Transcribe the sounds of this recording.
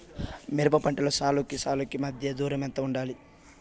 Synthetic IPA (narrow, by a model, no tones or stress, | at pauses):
miɾɐpɐpɐɳʈɐlɐsaːlukisaːlukimɐd̪ʱjɐd̪uːɾɐmɛnt̪ɐuɳɖaːli